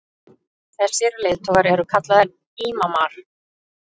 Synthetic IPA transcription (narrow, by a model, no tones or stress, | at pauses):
θɛsɛːɾʏleːjðt̪ʰɔɣaɾɛɾʏkʰat̪laðaɾ | iːmamaɾ̥